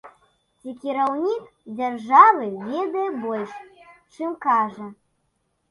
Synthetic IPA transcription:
t͡sʲikʲiɾawnʲik | d͡zʲarʐavɨvʲɛd̪ɐjɛbɔlʲʂt͡ʂɨmkaʐɐ

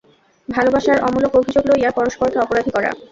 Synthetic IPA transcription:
bʱalobaʃaɾɔmulokobʱid͡ʑoɡlojapɔɾoʃpoɾkeɔpoɾad̪ʱikɔɾa̰

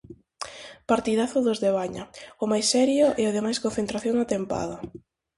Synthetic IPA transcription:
paɾt̪iðaθʊðozðeβ̞aɲaʊmajsːɛɾjʊʔɛaðemajskonθent̪ɾaθjoŋat̪empa̰ðɐ

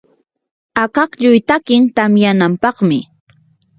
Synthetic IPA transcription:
akɑqʎʊjt̪akɪnt̪amjanampɑχmɪ

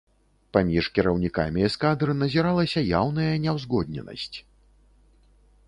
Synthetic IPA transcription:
pamʲiʂkʲiɾɐwnʲika̰mʲiɛskad̪ɾɨnɐzʲiɾalˠɐsʲɐja̰wn̪ɐjɐnʲɛwzɣɔd̪nʲɛ̰nɐ̰sʲt͡sʲ

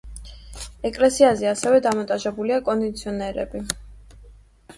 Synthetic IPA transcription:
ɛkʼlɛsiazɛasɛvɛd̪amɔnt̪ʼaʒɛbuliakʼɔnd̪it̪sʰiɔnɛɾɛ̰bi

